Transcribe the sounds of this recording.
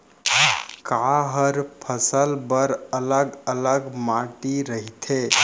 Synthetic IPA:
kaɦəɾpʰəsəlbəɾələɡələɡmaʈiɾəɦit̪ʰe

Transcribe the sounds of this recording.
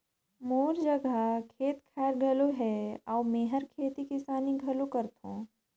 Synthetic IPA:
moːɾd͡ʒəɡʱakʰeːt̪kʰaːɾɡʱɐloɦɛaːwmeːɦəɾkʰeːt̪ikɪsaːniɡʱɐlokəɾt̪ɦõ̰ː

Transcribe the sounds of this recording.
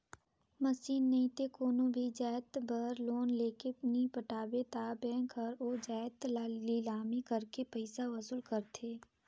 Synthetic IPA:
mɐsiːnːɐĩt̪ekoːnõbʱid͡ʒaːt̪bəɾloːnleːkepnipəʈaːbet̪aːbɛ̃ːŋkʰɐɾoːd͡ʒaːt̪lalilaːmikəɾkepəɪsaʋɐsulkɐɾt̪ʰeː

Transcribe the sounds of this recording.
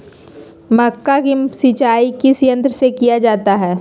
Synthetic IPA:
məkːakisit͡ʃaːikisijə̃nt̪ɾəsekijad͡ʒaːt̪aɦɛː

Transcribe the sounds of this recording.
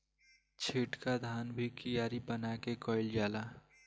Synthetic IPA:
t͡ʃʰeːʈkad̪ʱaːnbʱikijaːɾibənakekɔːɪld͡ʒaːlaː

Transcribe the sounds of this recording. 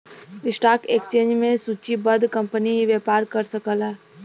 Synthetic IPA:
ɾɪsʈaːkeːkst͡ʃẽːnd͡ʒmẽsuːt͡ʃibəd̪kɐ̃mpəniʋjeːpaːɾkəɾsəkəlaː

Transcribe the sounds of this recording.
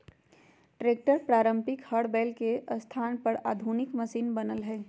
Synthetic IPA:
ʈɾeːk̚ʈəɾpɾaːɾə̃mpɪkhəɽbeːlkeʔəst̪ʰaːnpəɾaːd̪ʱunɪkməsiːnbənəlɦɛː

